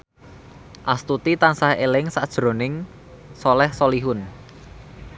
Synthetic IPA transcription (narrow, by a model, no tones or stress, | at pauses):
ʔast̪ut̪it̪ansahelɪŋsad̥ʒ̥ɾo̤nɪŋ | solɛhsoliɦʊn